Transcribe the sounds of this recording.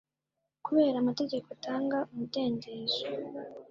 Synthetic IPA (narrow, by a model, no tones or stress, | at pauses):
kuβe̞ːɾaːmate̞ɟe̞koatʰaːŋɡaumude̞ːndeːzo